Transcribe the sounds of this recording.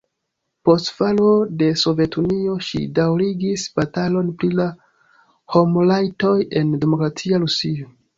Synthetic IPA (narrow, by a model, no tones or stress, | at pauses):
po̞stfalo̞de̞so̞ve̞tunio̞ʃḭdawɾiɡisb̥atalo̞npɾila | ho̞mlajto̞je̞nde̞mo̞kɾatʰiaɾusio̞